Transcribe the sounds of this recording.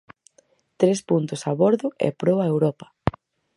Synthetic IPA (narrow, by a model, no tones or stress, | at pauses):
t̪ɾespunt̪ʊsaβɔɾðʊʔḛpɾowaewɾɔpɐ̥